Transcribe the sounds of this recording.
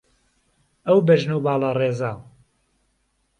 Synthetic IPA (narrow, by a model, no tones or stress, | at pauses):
ɐwbɐʒnubaːlˠɑreːzaː